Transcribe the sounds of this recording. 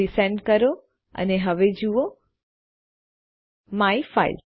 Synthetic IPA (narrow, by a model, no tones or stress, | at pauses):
isẽɳɖkəɾo | ə̰neɦəʋed͡ʒuo | maifa̰ḭl